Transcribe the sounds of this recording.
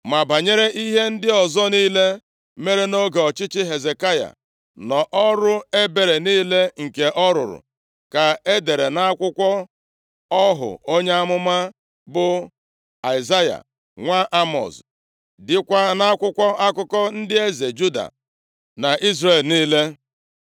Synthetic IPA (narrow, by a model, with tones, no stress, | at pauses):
ma˨ba˨ɲe˦ɾe˦ʔi˦ɦe˦n̩˦dɪ˦ɔ˨zɔ˦niː˦le˦ | me˦ɾe˦no˦ɡe˨ɔ˨t͡ʃɪ˦t͡ʃɪ˦ɦe˨ze˨ka˦ja̰˨ | nɔ˨ʔɔ˦ɾʊ˦e˦be˨ɾe˨niː˦le˦ŋ̩˨ke˨ʔɔ˦ɾʊ̰˨ɾʊ̰˨ | ka˨e˦de˨ɾe˨na˦a˦kʷʊ˦kʷɔ˦ | ɔ˦ɦʊ̰˨o˦ɲe˦a˦mʊ˦ma˦ | bʊ˨ | a˨ɪ˨za˦ja̰˨ | ŋʷa˦ʔa˦mɔ̰˨s | dɪ˦kʷa˦na˦kʷʊ˦kʷɔ˦ʔa˦kʊ˦kɔ˦n̩˦dɪ˦e˦ze˨d͡ʒu˦da̰˨ | na˨ʔi˦zre˨lniː˦le˦